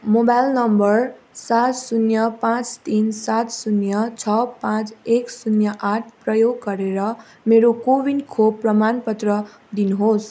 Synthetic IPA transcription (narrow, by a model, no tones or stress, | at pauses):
mobajlnʌmbʌr | sat̪sunjʌpãt͡st̪insat̪sunjʌt͡sʰʌpãt͡seksunjʌʔaʈ̚ʰprʌjoɡːʌɾeɾʌ | meɾokobinkʰobpːrʌmanpʌt̪rʌ | d̪inuɦos